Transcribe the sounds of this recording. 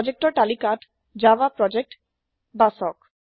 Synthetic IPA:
d͡ʑek̚ʈoɾʈalikaʈ | d͡ʑabapɾɔd͡ʑek̚ʈ | basɔk

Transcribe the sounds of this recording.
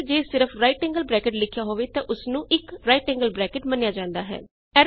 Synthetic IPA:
d͡ʒeːsɪɾəfʰɾaːiʈɛ̃ːŋɡəlbɾɛːkɪʈlɪkʰːjaːɦoːʋeːt̪ãːʔʊsnũːʔɪkɾaːiːʈɛ̃ːŋɡəlbɾɛːkɪʈmənjaːd͡ʒãːnd̪aːɦɛ̰ː | ɛːɾ

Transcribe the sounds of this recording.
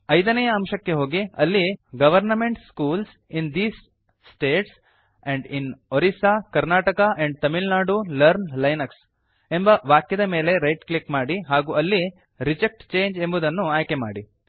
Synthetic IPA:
ɐjd̪ɐnɐjɐːmʃɐkːe̞ɦo̞ːɡiɐlːiɡɐʋɐɾnɐmeɳʈskuːls | ind̪iːsː | ʈeːʈs | ɛ̃ɳɖinoɾisaːkɐɾnaːʈɐkɐʔɛ̃ɳɖ̚t̪ɐmilnaːɖulɐɾnlɐjnɐks | embɐʋaːkjɐd̪ɐme̞ːle̞ɾɐjʈklikmaːɽiɦaːɡuːʔɐlːi | ɾid͡ʒek̚ʈt͡ʃeːɲd͡ʒe̞mbud̪ɐnːuaːjke̞ma̰ːɽi

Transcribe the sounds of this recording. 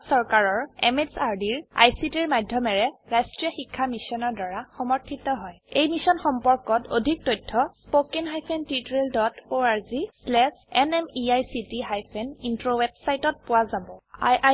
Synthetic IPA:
sɔɹkaɹɔɹemedsaɹdiɹa̰jsitiɹmajdʱjɔmɛɹɛɹajstɹijɔxikʰːamisɔnɔɹdaɹaxɔmɔɹtʰitɔɦɔjejmisɔnxɔmpɔɹkɔto̰dʱik̚tɔjtʰːɔspokinɦajpʰentitɹeldɔtoaɹzislɛsɛnɛmiajsitiɦajpʰenintɹowebsajtɔt̚pʊwazabɔa

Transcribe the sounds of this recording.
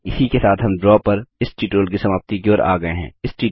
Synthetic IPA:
ɪsikesaːt̪ɦɐmɖɾɔːpɐɾɪsʈiːʈɾoːlk̬isɐmaːb̚t̪ikioːɾa̰ːɡɐeɦɛ̰̃ːɪsʈiː

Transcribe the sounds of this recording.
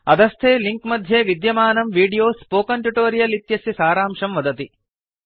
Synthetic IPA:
ɐd̪ɐst̪ʰeːliŋkmɐd̪ʱjeʋid̪jɐmaːnɐmʋiːɖijoːspoːkɐɳʈjuʈoːɾijɐlit̪jɐsisaːɾaːmʂɐmʋɐd̪ɐt̪i

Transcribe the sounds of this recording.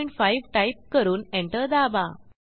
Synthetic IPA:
jɳʈfaiʋʈajp̚kəɾuːnẽɳʈəɾd̪aba

